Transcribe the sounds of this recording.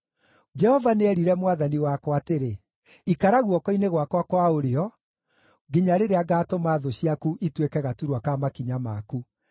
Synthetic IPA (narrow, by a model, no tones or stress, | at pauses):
d͡ʒɛhɔvaneɛɾiɾɛmwaðaniwakɔateɾe | ikaɾaɣwɔkɔineɣwakwakwaoɾeɔ | ɡiɲaɾeɾeaɡaːtomaːðoɕiakuʔitwekɛɣatuɾwakamakiɲama̰ku